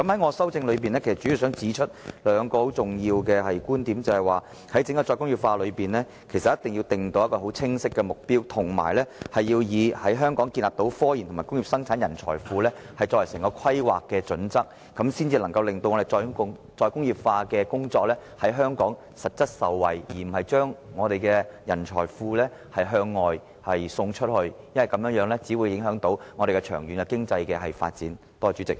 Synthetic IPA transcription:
kɐ˨˥mhɐ˨˥jŋɔː˨˧sɐ˥wt͡sɪ˧ŋlɵ˨˧ɥpi˨nlɛː˥kʰsɐ˩tt͡ʃy˨˥i˨˧wsœː˨˥ŋt͡siː˨˥t͡ʃʰɵ˥t̚lœː˨˧ŋkɔː˧ho˨˥wt͡sʊ˨ŋjiː˧wkɛː˧hɐ˨jkuː˥nt̪iː˨˥mt͡sɐ˨hɐ˨˩jwaː˨˩ | hɐ˨˥jt͡sɪ˨˥ŋkɔ˧˩t͡sɔː˧jkʊ˥ŋjiː˨p̚faː˧lɵ˨˧piː˨nlɛ˥ | kʰe˨˩sɐ˨t̚jɐ˥t̪ɪ˨ŋji˧wt̪ɪ˨˩ŋt̪o˧wjɐ˥tkɔː˧˩o˨˥wt͡sʰɪ˥ŋsɪ˥kːɛː˧mʊ˨k̚piː˥wt̪ʰʊ˨˩ŋma̰ː˨˩jlɛː˥hɐ˨jiː˧wjiː˨˧hɐ˨˥jɦœː˥ŋkɔː˨˥ŋkiː˧nlaː˨p̚t̪o˨˧˥wfɔː˥jiː˨˩nʰʊ˨˩maː˨˩jkʊ˥ŋji˨p̚sɐ˥ŋt͡sʰaː˨˥njɐ˨˩nt͡sʰɔ̰ː˨˩jfuː˨˧lɛː˥ | hɐ˨jt͡sɔː˧wjɐ˨˩sɛ˨˩ŋkɔː˧kʰɐ˥jwa̰ː˨kːɛː˧t͡sɵ̰˨˥nt͡sɐ˥k̚ːɐ˨˥msiː˥nt͡siː˧lɐ˨˩ŋkɐ˧wlɪ˨ŋt̪o˧wŋɔː˨˧e˨˩t͡sɔː˧ŋ | t͡sɔː˧jkʊ˥ŋjiː˨˩p̚faː˧kɛː˧kʊ˥ŋt͡sɔː˧k̚lɛː˥hɐ˨˥jɦœː˥ŋkɔː˨˥ŋ | sɐ˨t̚t͡sɐ˥t̚sɐ˨wːɐ̰˨˩jjiː˨˩m̩˨˩hɐ˨jt͡ʃœː˥ŋŋɔː˨˧t̪e˨jkɛː˧jɐ˨˩nt͡ʃʰɔ̰ː˨˩jfuː˧lɛː˥ | hɐ˨jɦœː˧ŋːɔː˨j | hɐ˨jsʊ˧ŋt͡ʃʰɵ˥t̚hɵ˧ɥjɐ˥nwɐ˨˩jkɐ˨˥mjœː˨˥ŋjœː˨˥ŋlɛ˥t͡siː˨˥wjɪ˨˥ŋɦœː˨˥ŋt̪o˨˥wŋɔː˨˧ɾe˨jkɛ˧t͡ʃʰœː˨˩ŋjyː˨˥nkɛ˧kɪ˥ŋt͡sɐ˧jkɛː˧ɦɐ˨jfa̰ː˧t̚t͡siː˨˥n | t̪ɔː˥t͡ʃy˨˥t͡sɪ̰˨k̚

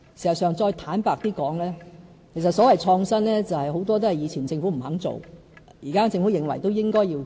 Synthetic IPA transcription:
si˨˩ɐ˨˩sœː˨ŋt͡sɔː˧jt̪ʰaː˨˥npaː˨˧k̚t̪iː˥kɔː˨˥ŋlɛː˥ | kʰe˨˩jsɐ˨tsɔː˨˥wɐ˨jt͡ʃʰɔː˧ŋsɐ˥nlɛː˥t͡sɐ˨whɐ˨jɦo˨˥wt̪ɔː˥t̪o˥hjiː˨˧t͡sʰiː˨˩nt͡sɪ˧ŋfu˨˥m̩˨˩hɐ˨˥ŋt͡so̰˨w | jiː˨kaː˥t͡sɪ˧ŋfu˨˥jɪ˨ŋwɐ˨˩jt̪o˥wjɪ˥ŋkɔː˥jiː˧

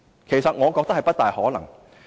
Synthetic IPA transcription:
kʰe˨˩jsɐ˨t̚ŋɔː˨˧kɔː˧k̚t̪̚hɐ˨jpɐ˥t̚t̪aː˨jhɔː˨˥lɐ˨˩ŋ

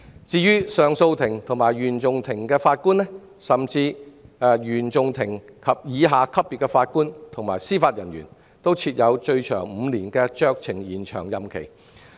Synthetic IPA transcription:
t͡siː˧jyː˥sœː˨˧ŋso˧wt̪ʰɪ˨˩ŋt̪ʰʊ˨˩ŋmaː˨˩jɥyː˨˩nt͡sʊ˨ŋt̪ʰɪ˨˩ŋkɛː˧faː˧t̚kuː˥nlɛ˥ | sɐ˨˩mt͡siː˧ | jyː˨˩nt͡sʊ˨ŋt̪ʰɪ˨˩ŋkʰɐ˨p̚jiː˨˧ɦaː˨˧kʰɐ˥p̚ːi˨˧tkːɛː˧faː˧t̚kuː˥nt̪ʰʊ˨˩ŋmaː˨˩jsiː˥faː˧t̚jɐ˨˩nɥy̰ː˨˩n | t̪o˥wt͡sʰiː˧t̚jɐ˨˧wt͡ʃɵ˧ɥt͡ʃʰœ̰ː˨˩ŋm̩˨˧liː˨˩nkɛː˧t͡ʃœː˥˧k̚t͡sʰɪ˨˩ŋjiː˨˩nt͡ʃʰœ̰ː˨˩ŋjɐ˨mkʰḛ˨˩j

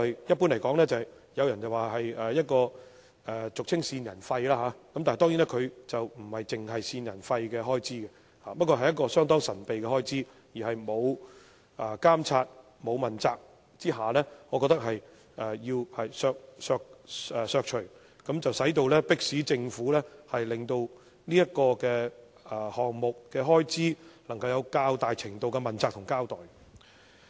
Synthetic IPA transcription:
jjɐ˥t̚pu˥nlɐ˨˩jkɔː˨˥ŋlɛː˥t͡sɐ˨j | jɐ˨˧wjɐ˨˩nt͡sɐ˨waː˨˩ɦɐ˨jɛː˨jɐ˥t̚kɔː˧ | ɛː˨t͡sʊ˨k̚t͡sʰɪ˥ŋsiː˧njɐ˨˩nfɐ˧jlaː˥ɦaː˨˧˦kɐ˨mt̪a˨t̪ɔː˥ŋji˨˥nɛ˥kʰɵ˨˧ɥt͡sɐ˨wm̩˨˩hɐ˨jt͡sɪ˨ŋɦɐ˨jsiː˧njɐ˨˩nfɐ˧jkɛː˧ɦɔː˥jt͡siː˥kɛ˧ | haː˨˧pɐ˥t̚kɔː˧ɐ˨jːɐ˥tkɔː˧sœː˥ŋt̪̬ɔː˥ŋsɐ˨˩npe˨jkɛː˧hɔː˥jt͡siː˥ | jiː˨˩hɐ˨jmo˨˧w | ʔaː˨kaː˥mt͡sʰaː˧t̚ | mo˨˧wmɐ˨˩nt͡saː˨˧k̚ | t͡siː˥ɦaː˨˩lɛː˥ŋɔː˨˧kɔː˧k̚t̪k̚hɐ˨j | ɛ˨jiː˧whɐ˨jsœː˧k̚sœː˧k̚ɛ˨sœː˧k̚t͡ʃʰɵ˨˩ɥ | kɐ˨˥mt͡sɐ˨wsɐ˨˥jt̪o˧wlɛː˥pɪ˥k̚siː˨˥t͡sɪ˧ŋfuː˨˥lɛː˥hɐ˨jlɪ˨ŋt̪o˧w | niː˥jɐ˥t̚kɔː˧kɛː˧ | ɛ˨˩hɔː˨˩ŋmʊ˨k̚kːɛː˧ɦɔː˥jt͡siː˥lɐ˨˩ŋkɐ˧wjɐ˨˧wkaː˥wt̪aː˨jt͡sʰɪ˨˩ŋt̪o˨wkɛ˧mɐ˨˩nt͡saː˨k̚t̪ʰʊ˨˩ŋkaː˥wt̪ɔː˨˩j

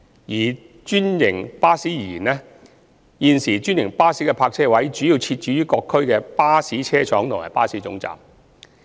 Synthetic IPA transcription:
jiː˨˩ | t͡ʃyː˥njɪ˨˩ŋpaː˥siː˨˥jiː˨jiː˨˩nɛ˥ | jiː˨nsiː˨˩t͡ʃyː˥njɪ˨˩ŋpaː˥siː˨˥kɛ˧pʰaː˧k̚t͡sʰɛː˥wɐ˨˥jt͡ʃyː˨˥jiː˧wt͡sʰiː˧t̚t͡ʃyː˨˥jyː˥kɔː˧kʰːɵ˥ɥkɛː˧paː˥siː˨˥t͡sʰɛː˥t͡sʰɔː˨˥ŋt̪ʰʊ˨ŋa̰˨˩paː˥siː˨˥t͡sʊ˨˥ŋt͡sa̰ː˨m

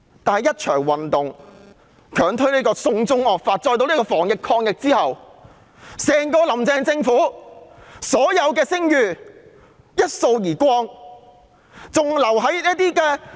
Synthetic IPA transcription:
t̪aː˨nɐ˨jɐ˥t̚t͡ʃʰœː˨˩ŋwɐ˨nt̪ʊ˨ŋ | kʰœː˨˥˩ŋt̪ʰɵ˥ɥliː˥kɔː˧sʊ˧ŋt͡sʊ˥ŋɔː˨˩k̚faː˧t̚t͡sɔː˧jt̪o˧wli˥kɔː˧fɔː˨˩ŋjɪ˨kʰɔː˧ŋjɪ˨k̚t͡siː˥hɐ˨w | sɛː˨˩ŋkɔː˧lɐ˨˩mt͡sɛː˧ŋt͡sɪ˧ŋfuː˨˥ | sɔː˨˥jɐ˨˧wkɛː˧sɪ˥ŋjyː˨˧ | jɐ˥t̚so˧wjiː˨˩kʷɔː˥ŋ | t͡sʊ˨ŋlɐ˨˩wɦɐ˨˥jliː˥t̪iː˥kɛː˧

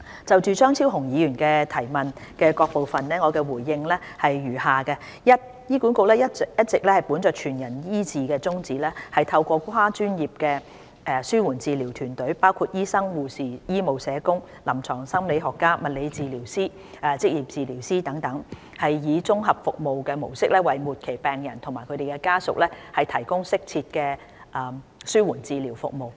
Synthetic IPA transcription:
t͡sɐ˨wt͡ʃyː˨˧t͡ʃœː˥ŋt͡sʰiː˥wɦʊ˨˩ŋjiː˨˧jyː˨˩nkɛː˧t̪ʰɐ˨˩jmɐ˨nkɛː˧kɔː˧k̚po˨wfɐ˨nlɛː˥ŋɔː˨˧kɛː˧wuː˨˩jːɪ˧ŋlɛː˥hɐ˨jɥyː˨˩haː˨kɛ˧ | jɐ˥t̚ | jiː˥ku˨˥nkʊ˧k̚lɛː˥jɐ˥jɐ˥t̚t͡sɪ˨k̚lɛː˥hɐ˨jpuː˨˥nt͡sœː˨˩t͡ʃʰyː˨˩njɐ˨˩njiː˥t͡siː˨kɛː˧t͡sʊ˥ŋt͡siː˨lɛː˥hɐ˨jt̪ʰɐ˧wkʷɔː˧kʷʰaː˥t͡ʃyː˥njiː˨p̚kɛː˧ | ɛ˧syː˥wuː˨˩nt͡siː˨liː˨˩wt̪ʰyː˨˩nt̪ɵ˨˥ɥpaː˥wkʰu˧t̚jiː˥sɐ˥ŋwuː˨siː˨jiː˥mo˨wsɛː˨˧kʊ˥ŋ | lɐ˨˩mt͡sʰɔː˨˩ŋsɐ˥mle˨˧jɦɔː˨kːaː˥mɐ˨t̚le˨˧jt͡siː˨liː˨˩wsiː˥ | ɐ˨t͡sɪ˥k̚jiː˨˩p̚t͡siː˨liː˨˩wsiː˥t̪ɐ˨˥ŋt̪ɐ˨˥ŋ | hɐ˨jːiː˨˧t͡sʊ˥ŋɦɐ˨p̚fʊ˨k̚mo˨wkɛː˧mo˨˩wsɪ˥k̚lɛː˥wɐ˨jmuː˨˩t̚kʰe˨˩jpɛː˨ŋjɐ˨˩nt̪ʰʊ˨˩ŋmaː˨˩jkʰɵ˧t̪e˨jkɛ˧kaː˥sʊ̰˨k̚lɛː˥hɐ˨jt̪ʰɐ˨˩jkʊ˥ŋsɪ˥k̚t͡sʰiː˧t̚kɛː˧ | ʔsyː˥wuː˨˩nt͡siː˨˧liː˨˩wfʊ̰˨k̚mo˨w

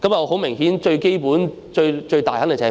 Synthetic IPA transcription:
kɐ˧˥mjɐ˨ɔ˨˧ɦo˨˥wmɪ˨˩ŋhiː˨˥nt͡ʃɵ˧ɥke˥jpuː˨˥n | t͡ʃɵ˧ɥt͡ʃɵ˧t̪aː˨jhaː˨˥le˨˩t͡sɐ˨˩˨

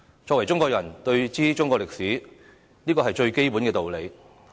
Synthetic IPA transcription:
t͡sɔː˧kwɐ˨˩jt͡sʊ˥ŋkɔː˧k̚jɐ˨˩nt̪ɵ˧ɥt͡siː˥t͡ʃʊ˥ŋkɔː˧lɪ˨k̚siː˨˥ | niː˥kɔː˧ɦɐ˨jt͡ʃɵ˧ɥke˥jpu˨˥nkɛː˧t̪o˨wle˨˧j

